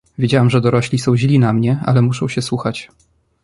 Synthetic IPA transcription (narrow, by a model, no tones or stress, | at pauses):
vʲjed͡ʑawamʐɛd̪ɔɾɔɕlʲisɔ̃w̃ʑlʲinamɲɛa̰lɛmuʂɔ̃w̃ɕɛswuxat͡ɕ